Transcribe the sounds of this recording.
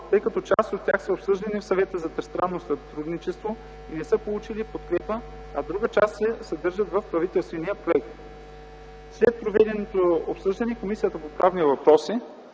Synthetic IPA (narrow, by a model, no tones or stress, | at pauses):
t̪ɤjkɐt̪ɔt͡ʃa̰st̪ot̪ːʲjaxsəopsɤʒd̪ɐnifsɐvɛt̪əzɐt̪ɛst̪ɾanːosɐt̪ɾud̪nit͡ʃɛst̪vo | inɛsəpolˠut͡ʃilipot̪̚kɾɛpə | ɐd̪ɾuɡət͡ʃast̪sɛsɐd̪ɤɾʒət̪vəfpɾɐvit̪ɛlˠst̪vɛniəpɾoɛk̚t̪ | slɛt̪̚pɾovɛd̪ɛnot̪oopsɤʒd̪ɐnikomisijət̪əpopɾavnivɐpɾɔsi